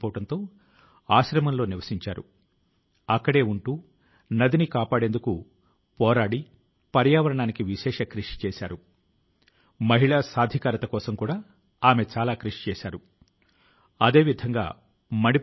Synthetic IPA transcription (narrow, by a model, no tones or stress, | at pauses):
poːʋɐɽɐnt̪o̞ː | aːʃɾɐmɐnlo̞ːniʋɐsiɲt͡ʃa̰ːɾṵ | ɐkːɐɽe̞ːuɳʈuː | nɐd̪inikaːpaːɽend̪uku | pɔːɾaːɽi | pɐɾjaːʋɐɾɐɳaːnikiʋiʃɛːʂɐkɾiʂi̥t͡ʃɛːsa̰ːɾu | mɐɦiɭaːsaːd̪ʱikaːɾɐt̪ɐkɔːsɐmkuːɽaː | aːme̞t͡ʃaːlaːkɾiʂi̥t͡ʃɛːsaːɾu | ɐd̪e̞ːʋid̪ʱɐŋɡa̰ː | mɐɽi